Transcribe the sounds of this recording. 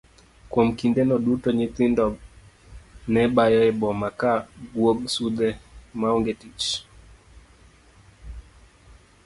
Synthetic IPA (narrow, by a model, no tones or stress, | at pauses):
kwomkindɛnɔdutɔɲɪt̪ɪndɔb | nɛbajɔɛbɔmakaɡwoɡsud̪ɛmaɔŋɡetit͡ʃ